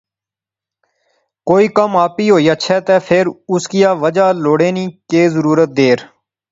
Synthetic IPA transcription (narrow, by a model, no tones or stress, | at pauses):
koːiːkəmaːpiːɦoːiːəʃʰɛːt̪ɛːpʰɪɾʊskijaːʋəd͡ʒaːloːɽeːnĩːkeːzəɾuːɾət̪̚d̪eːɾ